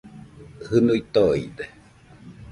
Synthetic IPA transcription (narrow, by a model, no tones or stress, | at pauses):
hɨnuit̪oid̪e